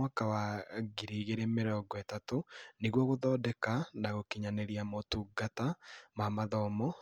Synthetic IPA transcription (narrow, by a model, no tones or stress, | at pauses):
akawaɣiɾiɣeɾemeɾɔɡɔɛtatoniɣwɔɣoðɔdɛkanaɣokiɲaneɾiamotuɡatamamaðɔmɔ